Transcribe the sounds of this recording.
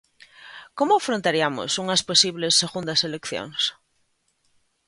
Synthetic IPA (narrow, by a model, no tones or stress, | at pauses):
komoafɾont̪aɾiamo̰suŋasposiβlesːeɣund̪aselekθjo̰ŋs